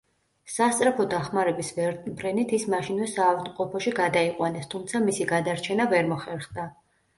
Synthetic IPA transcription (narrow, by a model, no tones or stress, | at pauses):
sast̪sʼɾɛpʰɔd̪aχmaɾɛbisvɛɾbɾɛnit̪ʰismaʃinvɛsaːvd̪mqʼɔpʰɔʃiɡad̪aiqʼwanɛst̪ʰumt̪sʰamisiɡad̪aɾt͡ʃʰɛnavɛɾmɔχɛɾχd̪a